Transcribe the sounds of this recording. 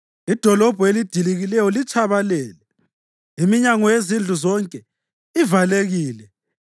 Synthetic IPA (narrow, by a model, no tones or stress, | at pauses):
id̥ʱɔlɔb̥ʱuelid̥ʱiliɣilɛjɔlit͡ʃʰʼaβalɛːlɛ | imiɲaŋɔjezind͡ɮʱuzɔŋkʼɛ | ivaleɣiːlɛ